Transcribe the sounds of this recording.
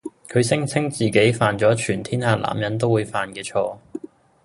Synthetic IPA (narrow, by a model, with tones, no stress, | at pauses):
kʰɵ˨˧ɥsɪ˥ŋt͡sʰɪ˥ŋt͡siː˨ke˨˥jfaː˨nt͡sɔː˨˥t͡ʃʰyː˨˩nt̪ʰiː˥nhaː˧la̰ː˨˩mjɐ˨˥nt̪̬o˥wuː˨˧jfaː˨˧nkɛː˧t͡ʃʰɔː˧